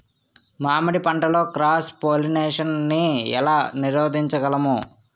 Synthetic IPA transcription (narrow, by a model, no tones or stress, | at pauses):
maːmɐɽipɐɳʈɐlo̞ːkɾaːspoːlineːʂɐnniɛ̰laːniɾoːd̪ʱiɲt͡ʃɐɡɐlɐmu